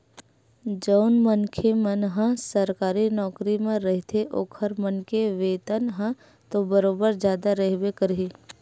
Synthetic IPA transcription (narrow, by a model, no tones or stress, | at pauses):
d͡ʒəʊnmənkʰemənɦə̃səɾkaːɾinɔːkɾimẽɾəɦt̪ʰeʔoːkʰəɾmənkeʋeːt̪ənɦə̃ | t̪obəɾoːbəɾd͡ʒjaːd̪aɾəɦʋekəɾɦiː